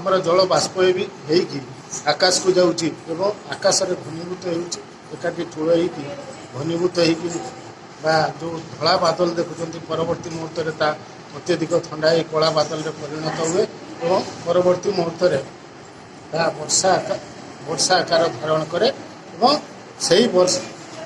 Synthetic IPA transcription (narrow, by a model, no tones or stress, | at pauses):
amɔɾɔd͡ʒɔɭɔbaspɔebiɦejki | akasɔ̥kud͡ʒawt͡ʃʰiebɔŋakasɔɾebʱɔnibut̪ɔɦewt͡ʃʰi | ekaʈiʈʰuɭɔɦejki | bʱɔnibut̪ɔɦejki | bad͡ʒod̪ʱɔɭabad̪ɔlɔd̪ekʰut͡ʃʰɔnt̪ipɔɾɔbɔɾt̪imɔɦɔɾt̪ɔɾet̪a | ɔt̪jɔd̪ʱikɔt̪ʰɔɳɖaikɔɭabad̪ɔlɔɾepɔɾiɽ̃ɔt̪ɔɦue | ebɔŋpɔɾɔbɔɾt̪imɔɦɔt̪ɔɾe | t̪abɔɾsaka | bɔɾsakaɾɔd̪ʱaɾɔɽ̃ɔkɔɾe | ebɔŋ | seɦibɔɾsa